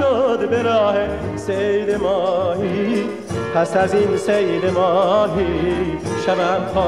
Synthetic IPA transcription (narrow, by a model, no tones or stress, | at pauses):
od̪beɾɔːhe | sejd̪emɔːɦi | pʰasazinsejd̪emɔːnɦi | ʃavampʰɔː